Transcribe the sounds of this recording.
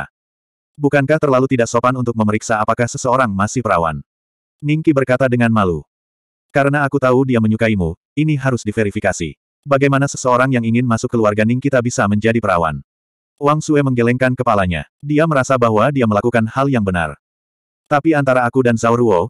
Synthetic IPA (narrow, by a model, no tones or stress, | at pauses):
bukankaht̪ərlalut̪idaksopanunt̪ʊk̚məməɾiksaːpakahsəsəoɾaŋmasɪhpəɾa̰wa̰n | niŋkibərkat̪adəŋanmalu | kaɾənaːkut̪audiaməɲukaimu | iniɦaɾʊsdifeɾifikasḭ | baɡajmanasəsəoɾaŋjaŋiŋɪnmasʊkːəluarɡaniŋkit̪abisaməɲd͡ʒadipəɾa̰wa̰n | waŋsuɛməŋɡelɛŋkankəpalaɲa̰ | diaməɾasabaɦwadiaməlakukanhaljaŋbəna̰r | t̪apiant̪aɾaːkudansauɾuo